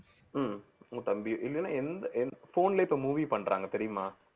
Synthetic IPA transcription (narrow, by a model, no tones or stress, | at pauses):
mt̪ɐmbɪjoʔɪlːɐnːa̰ːɛnd̪ɐʔɛnfoːnɪlɐɪpːoːmuːʋipɐɳːɾʔa̰ːŋɡɐt̪ɛɾɪjɯmaː